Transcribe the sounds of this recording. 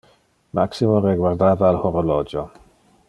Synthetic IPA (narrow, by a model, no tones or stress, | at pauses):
maksimoɾɛɡward̪aːðalhɔɾɔlɔd͡ʒɔ